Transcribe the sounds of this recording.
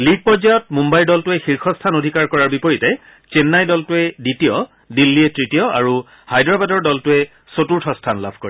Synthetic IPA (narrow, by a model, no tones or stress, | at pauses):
liɡ̚pɔɹzajɔt̚mumbajldɔltʊɛxiɹxʰɔstʰanodʱikaɹkɔɹaɹbipoɹitɛ | t͡ʃenːajdɔltʊɛditijɔ | dilːiɛtɹitijɔa̰ɹu | hajdɹabadɔɹdɔltʊɛ | sotuɹtʰɔstʰanla̰bʱko̰ɹi